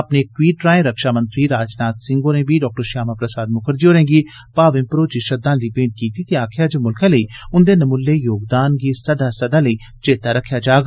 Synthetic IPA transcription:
əpneːk̚ʈwiːʈɾaːẽːɾəkʃaːmə̃nt̪ɾiːɾaːd͡ʒnaːt̪sɪ̃ŋɡoːnẽːbʱiːɖɔːk̚ʈəɾʃaːmaːpɾəsaːd̪̚mʊkʰəɾd͡ʒioːɾẽːŋɡiː | paːʋɪ̃mpɾoːt͡ʃiʃəd̪ãːliːpẽːɳʈ̚kiːt̪iːt̪eaːkʰjaːd͡ʒəmʊlkʰãːləiːʊnd̪eːnəmʊlːeːjoːɡd̪aːnɡiːsəd̪aːsəd̪aːləiː | t͡ʃeːt̪aːɾəkʰːjaːd͡ʒaːɡa

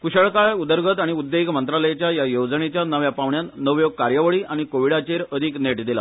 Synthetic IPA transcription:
kuɕəɭkaɭud̪əɾɡʱət̪aɽ̃iud̪ːekmənt̪ɾaləjet͡ɕjajajowd͡zənet͡ɕjanəʋjapaʋɳjanəʋjoɡ̚kaɾjəʋəɭiːaɽ̃ikoʋiɽat͡ɕeɾəd̪ʱikneʈd̪ila̰

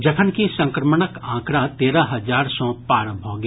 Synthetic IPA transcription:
d͡ʒɐkʰənkisɐ̃ŋkɾəmənəkãːkɾat̪eːɾaɦɐzaːɾsɔ̃paːɾə̃mbʱoɡ

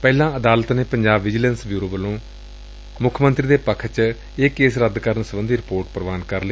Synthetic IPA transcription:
pɛːlãːəd̪aːlət̪neːpəɲd͡ʒaːbːɪd͡ʒələnsbjuːɾoːbəlõː | mʊkʰːmə̃nt̪ɾiːd̪eːpəkʰt͡ʃ | eːkːeːsɾəd̪kəɾənsəbənd̪iːɾɪpoːɾʈpɾəʋaːnkəɾl

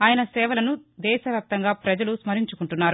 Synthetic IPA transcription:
aːjɐnɐsɛːʋɐlɐnud̪ɛːʃɐʋjaːp̚t̪ɐŋɡaːpɾɐd͡ʒɐlusmɐɾiɲt͡ʃukuɳʈunːaːɾu

